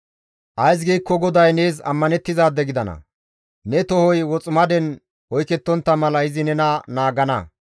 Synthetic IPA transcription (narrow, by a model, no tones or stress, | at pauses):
ʔɐjs̬ɡiːkːɔɡɔd̪ɐjneːzɐ̰mːɐnɛt̪ːɪzaːd̪ɛɡɪd̪ɐnɐ̰ | nɛt̪ɔhɔjwɔt͡sʼʊmɐd̪ɛn | wɔjkɛt̪ːɔnt̪ːɐmɐlɐɪzɪnɛnɐnaːɡɐnɐ̰